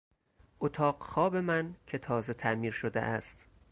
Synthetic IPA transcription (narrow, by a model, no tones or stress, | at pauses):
ʔot̪ʰɒːɢxɒːbe̞mæncʰe̞t̪ʰɒːze̞t̪ʰæʔmiːɾʃod̪ḛʔæst̪